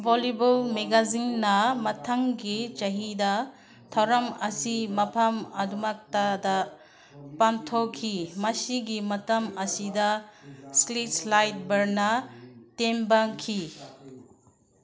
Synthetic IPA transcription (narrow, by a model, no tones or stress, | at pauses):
bʱolebulmeɡazinːɐmɐtʰaŋɡit͡ʃɐɦidɐ | tʰɐwɾɐmɐsimɐpʰamɐdumak̚tadɐ | pantʰowkʰimɐsiɡimɐtɐmɐsidɐslitslajt̚bɐɾnɐtembakʰi